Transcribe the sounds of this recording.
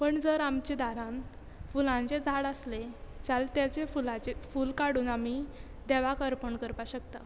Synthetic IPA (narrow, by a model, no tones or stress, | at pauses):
pəɳd͡zəɾamt͡ɕed̪aɾãn | fulãɲt͡sed͡zʱaɽəsled͡zalt̪jat͡sefulat͡ɕefuːlkaɽuːnami | d̪ɛʋakəɾpəɳkəɾpaɕəkt̪a